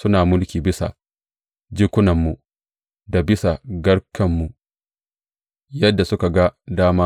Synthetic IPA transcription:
sʊ˦naː˨mʊ˦lkʲiː˨bɪ˦sa̰˨ | d͡ʒi˦kʷʊ˦nɐ˨mːu˨ | da˨bɪ˦sa˨ɡɐ˦ɽkʰɐ˨mːu˨ | jɐ˦dːa˨sʊ˦ka˨ɡa˦daː˦maː˦

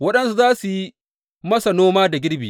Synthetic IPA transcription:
wɐ˦ɗɐ˦nsu˦zaː˦su˨ji˦ | mɐ˦sa˨noː˦maː˦da˨ɡʲɪ˦ɽbiː˨

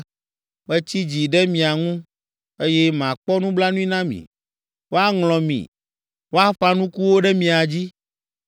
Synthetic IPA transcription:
bɛ˦t͡ɕi˦d͡ʑi˨ɖɛ˦mĩ˨a˨ŋũ˦ | e˦jɛ˦m˨ã˨k͡pɔ˦nũ˦bla˦nũ˦i˦nã˦mḭ̃˨ | wo˦a˦ŋlɔ̃˨mḭ̃˨ | wo˦a˦ɸa˦nũ˦ku˦wo˦ɖɛ˦mĩ˨a˨d͡ʑi˦

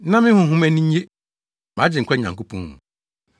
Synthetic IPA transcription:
nã˦mɪ̃˦hʊ̃˨ɦʊ̃˦mɛ˦nĩ˦ɲ˦e˦ | mã˨˦d͡ʑɪ˨ŋ̩˨kʰʷɛ˦˨ɲã˨ŋko˦pʰɔ̃˦hṵ̃˨

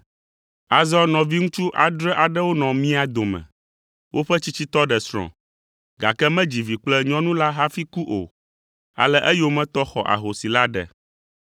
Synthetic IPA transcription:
a˨zɔ˦nɔ̃˨vi˦ŋũ˦t͡ʃu˦ʔa˨d̪ɾɛ˦ʔa˨ɖɛ˦wo˦nɔ̃˨mĩ˦a˨d̪o˨mɛ̰̃˨ | wʔo˦ɸɛ˦t͡ɕi˦t͡ɕi˦t̪ɔ˦ɖɛ˨sɾ̃ɔ̰̃˨ | ɡa̰˨kɛ˦mɛ̃˦d͡ʑi˨vi˨k͡plɛ˦ɲɔ̃˦nũ˦la˦ɦa˦fi˦ku˦ʔo̰˨ | a̰˨lɛ˦ʔɛ˦jo˦mɛ̃˦t̪ɔ˦xɔ˨ʔa̰˨ɦo˨si˨la˦ɖɛ̰˨

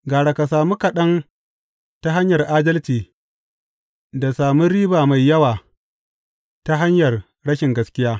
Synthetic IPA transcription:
ɡaː˨ɽa˨ka˨saː˨mu˦kɐ˨ɗɐ˦n | ta˦ɦa˦ɲjɐ˨rʔaː˦dɐ˦lt͡ʃiː˨ | da˨saː˨mu˦ɾiː˦baː˨ma˨jːɐ˦waː˨ | ta˦ɦa˦ɲjɐ˨r | ɽɐ˦ʃɪ˨ŋɡɐ˦skʲɪ˦jaː˦

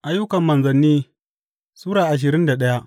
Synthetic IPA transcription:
ʔa˨jːʊ˦kɐ˨mːɐ˨nzɐ˨nːiː˦ | suː˦ɽaː˨ʔa˨ʃ̬ɪ˨ɾɪ˦nda˨ɗɐ˦ja˦ʔ

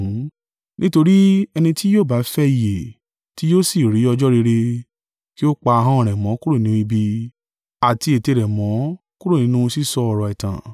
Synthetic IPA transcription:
nĩ˦to˧ɾi˦ɛ˧nĩ˧ti˦joː˦˨ba˨˦fɛ˦i˨je˨ | ti˦jo˦si˦˨ɾi˨˦ɔ˧d͡ʒɔ˦ɾe˧ɾe˧ | ki˦o˦k͡pa˧ɦã˦ɔ̃˦˨ɾ̃ɛ̃˨mɔ̃˨˦ku˦ɾu˦˨nĩ˨˦i˧bi˧ | a˨ti˧e˨te˧˨ɾɛ˨mɔ̃˨˦ | ku˦ɾo˦˨nĩ˨˦nũ˦˧si˦˨sɔ˧ɔ˨ɾɔ˨ɛ˨tã̰˨

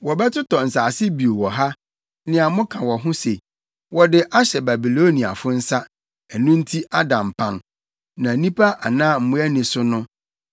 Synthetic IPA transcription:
wɔ˨bɛ˦tʰʊ˦tʰɔ˨n̩˨saː˨sɪ˦bi˨o˨wɔ˨ɦa˦ | nɪ̃˨a˨mʊ̃˦kʰã˨wɔ˨ɦʊ̃˦se˨ | wɔ˨dɪ˨ʔa˦ɕɛ˨ba˨bi˨lo˦nĩ˨a̰˨fʊ˦n̩˦sa˦ | ɛ˨nʊ̃˦n̩˦tʰi˦ʔa˦dã˨m˨pʰã˨n | nã˨nĩ˦pʰa˦a˨nãː˦m̩˨mʊ̃˦ɛ˦nɪ̃˨sʊ˦nʊ̃˦

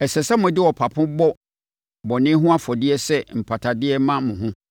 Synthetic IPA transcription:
ɛ˨sɛ˨sɛ˦mʊ̃˨dɪ˦wɔ˨pʰa˨pʰʊ̃˦bɔ˦ | bɔ˨nɪ̃˦ɦʊ̃˦a˦fɔ˨dɪ˦ɛ˦sɛ˦m̩˨pʰa˨tʰa˨dɪ˦ɛ˦mã˦mʊ̃˨ɦʊ̃˦

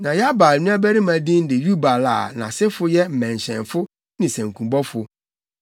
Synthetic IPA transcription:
nã˨jɛ˦a˦ba˨lnũ˦a˦bæ˦ɾi˦mã˨dĩ˦n˦dɪ˨ju˦ba˨la̰˨nã̰˨sɪ˦fʊ˦jɛ˦m̩˨mɛ̃˨n˨ɕɛ̰̃˨nfʊ˦ | nɪ̃˨sæ̃˨ŋ˨kʰũ˨bɔ˦fʊ˨

